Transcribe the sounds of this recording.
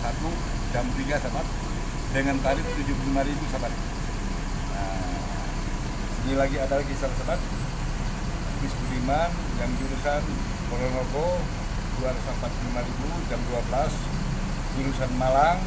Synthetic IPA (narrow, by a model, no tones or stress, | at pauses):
sat̪u | d͡ʒamt̪iɡasamat̪̚ | dəŋant̪aɾit̪ut̪ud͡ʒupulimaɾibusamani | ə | sənilaɡiadalaɡisabat̪sabat̪̚ | misbuɾiman | jaŋd͡ʒuɾusan | koɾɔnɔko | duarsampat̪̚pəlimaɾibu | d͡ʒamduabəlas | d͡ʒuɾusanmalaŋ